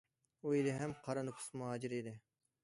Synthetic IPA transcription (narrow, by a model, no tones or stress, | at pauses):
uilɪɦɛmqʰɑɾɑnukʰʊ̥smuɦɑːd͡ʒiɾid̪ɪ